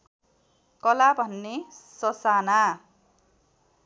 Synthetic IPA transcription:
kʌlabʱʌnːesʌsana

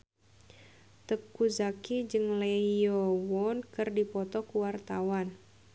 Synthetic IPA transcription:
t̪əkːuzakid͡ʒɨŋlejɔwɔnkɨrdipɔt̪ɔkuwart̪awan

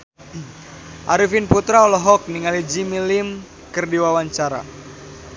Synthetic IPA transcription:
ʔaɾifinput̪ɾaɔlɔɦɔk̚niŋalid͡ʒimilim | kɨrdiwawaɲt͡ʃaɾa̰

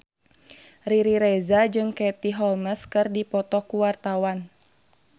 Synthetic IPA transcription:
riɾiɾɛzad͡ʒɨŋkɛt̪iɦɔlməskɨrdipɔt̪ɔkuwart̪awan

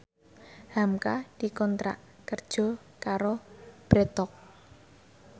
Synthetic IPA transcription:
hamkad̪̥i̤kɔnt̪ɾa̰ʔ | kərd̥ʒ̥ɔ̤ | kaɾob̥ɾɛt̪ɔk̚

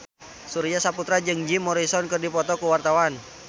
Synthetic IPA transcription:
suɾiasaput̪ɾad͡ʒɨŋd͡ʒimɔɾisɔnkərdipɔt̪ɔkuwart̪awan

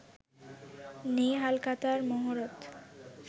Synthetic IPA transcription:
niɦalkat̪aɾmoɦoɾot̪

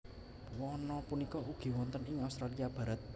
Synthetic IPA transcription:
wɔnɔpunikɔuɡ̥i̤wɔnt̪ənɪŋaust̪ɾaliab̥a̤ɾat̪̚

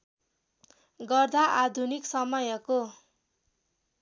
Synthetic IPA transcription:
ɡʌrd̪aʔad̪ʱuniksʌmʌjʌko

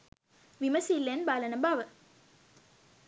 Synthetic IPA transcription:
ʋiməsilːenbalənəbaʋə

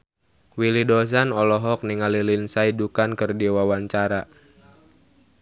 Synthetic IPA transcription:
wilidɔs̬anɔlɔɦɔk̚niŋalilinsaidukankərdiwawaɲt͡ʃaɾa

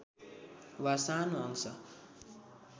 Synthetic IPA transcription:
wasanuʌŋsʌ̰

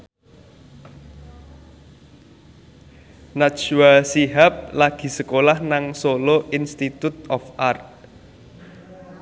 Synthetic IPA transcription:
nat͡ʃwasiɦap̚laɡ̥i̤səkolahnaŋsoloʔinst̪it̪ut̪̚ɔfʔart̪̚

